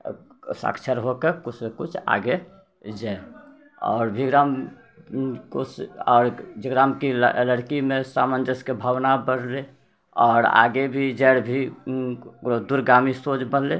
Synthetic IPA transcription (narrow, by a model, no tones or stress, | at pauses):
sə̰kt͡ʃʰəɾɦokekut͡ʃʰmekut͡ʃʰa̰ɡe | d͡ʒa | ɔ̰ːɾbʱiɡɾam | kosɔːɾd͡ʒiɡɾamkiləɽkimesamənd͡ʒəskebʱəʋnabəɽle | ɔːɾa̰ɡebʱid͡ʒəɽbʱi | od̪uɾɡamisod͡ʒbənle